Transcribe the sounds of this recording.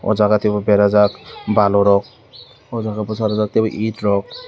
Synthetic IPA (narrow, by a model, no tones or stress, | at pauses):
ɔ̰zaɡatɛbɔbɛɾazakbalɔɾɔk̚ | ɔzaɡabɔsaɾɔzak̚tɛbɔʔitɾɔk̚